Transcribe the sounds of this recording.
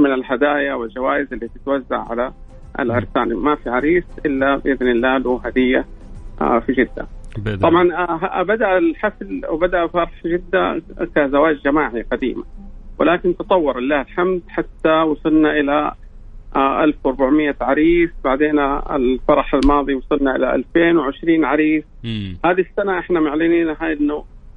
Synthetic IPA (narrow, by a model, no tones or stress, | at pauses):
mɪnɪlhad̪aːjawɪld͡ʒawaːjɪzɪlːit̪ɪt̪wazːa̰ʕʕa̰la | a̰lʕɪɾsaːnimafiʕaɾiːsʔɪlːabɪʔɪðnɪlːaːluɦad̪ɪjːa | fid͡ʒɪd̪ːa̰ˤɑbʕɑnɦbad̪aʔlħaflwbad̪aʔfɑɾˤɑħd͡ʒɪd̪ːa̰kazawaːd͡ʒd͡ʒamaːʕiqɑd̪ḭːma̰wɪ̰laːkɪnt̪ɨt̪ˤɑwːɑɾˤɪlːaːhɪlħamd̪ħat̪ːawɑsˤɨlnaʔɪla | ʔʔalfwɾˤbaʕmɪjːaʕaɾiːfbaʕd̪eːnaɪ̰lfɑɾˤɑħalmɑːðˤiwɑsˤɨlnaʔɪlaʔa̰lfeːnwɪʕɪʃɾiːnʕaɾiːfhaːðisːanaʔɪħnamaʕlɪniːnaɦaːjɪnːoː